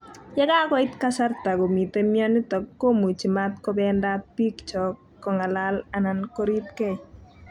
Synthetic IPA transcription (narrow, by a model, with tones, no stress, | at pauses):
ja˦ɡa˦kɔ˦i˦t̪ka˦sa˦rt̪a˨ɡo˨mi˨t̪e˦mjɔ˦nɪ˦t̪ɔ˨kːo˦mu˨t͡ʃi˨ma˦t̪̚kɔ˦bɛ˦nda˦pi˦kt͡ʃɔ˨kː | ɔ˨ŋa˨la˦la˨na˨nko˦ɾi˦t̪ke˦˨